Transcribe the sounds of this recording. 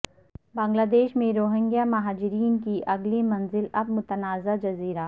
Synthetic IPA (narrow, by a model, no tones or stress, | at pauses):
bãːŋɡlaːd̪eːʃmẽɾoːɦɪ̃ŋɡijamɐɦaːd͡ʒɪɾiːnkiʔɐɡlimɐnzɪlɐb̚mʊt̪ənaːzad͡ʒɐziːɾaː